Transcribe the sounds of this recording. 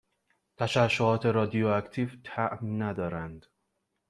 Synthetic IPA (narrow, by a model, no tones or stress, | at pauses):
t̪ʰæʃæʃːohɒːt̪ʰe̞ɾɒːd̪ioækt̪ʰiːvt̪ʰæʔmnæd̪ɒːɾænd̪̥